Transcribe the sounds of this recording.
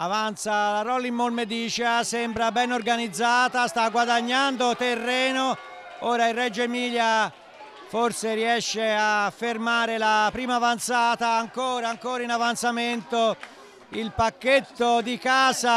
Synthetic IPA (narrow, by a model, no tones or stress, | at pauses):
avant̪salaɾɔlːimːolmed̪iːt͡ʃasɛmbɾabɛnorɡanid̪zːaːt̪ast̪aɡwad̪aɲːand̪ot̪erːɛːno | oːɾairːɛd͡ʒemiːʎja | forseɾiɛʃːeafːermaːɾelapɾiːmaːvant̪saːt̪aːŋkoːɾaːŋkoːɾainavant̪sament̪o | ilpakːet̪ːod̪ikaːza